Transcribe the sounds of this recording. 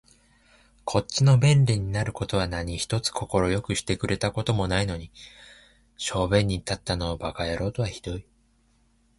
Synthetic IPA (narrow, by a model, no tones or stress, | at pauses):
kʰo̞t͡ɕino̞bẽ̞nɾʲiɲ̟inaɾɯ̟ko̞t̪o̞β̞anaɲ̟içi̥t̪o̞t͡sɨ̥kʰo̞ko̞ɾo̞jo̞kɯ̟ɕi̥t̪e̞kɯ̟ɾʔe̞t̪ako̞t̪o̞mo̞naino̞ɲ̟i | ɕo̞ːbẽ̞ɲ̟ːit̪at̪ːano̞ːbakaeɾo̞ːt̪o̞βaçi̥d̪̥o̞i